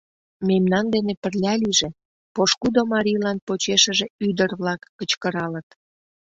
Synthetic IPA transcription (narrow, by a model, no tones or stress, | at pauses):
memnɑnd̪enepərlʲɑliʒe | poʃkud̪omɑɾʲijlɑnpot͡ɕeʃəʒeyd̪ərβlɑkːət͡ɕkəɾɑlət̪